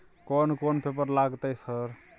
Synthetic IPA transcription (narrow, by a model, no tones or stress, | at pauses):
konkonpʰepəɾlaɡt̪əjsəɾ